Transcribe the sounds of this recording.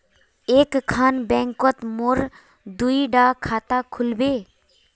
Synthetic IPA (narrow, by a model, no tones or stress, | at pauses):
ekkʰːaːnbɛ̃ŋkɔt̪moɾ | d̪uiɖakʰaːt̪akʰʊlbeː